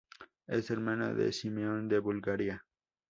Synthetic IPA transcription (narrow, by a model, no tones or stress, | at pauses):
eseɾmana̰ðḛsimeond̪eβulɡaɾja